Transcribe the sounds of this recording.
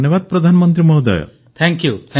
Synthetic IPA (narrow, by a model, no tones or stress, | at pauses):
njɔbad̪̚pɾɔd̪ʱanɔmɔnt̪ɾimɔɦd̪ɔ̰jɔ̰ | t̪ʰɛŋkjut̪ʰɛ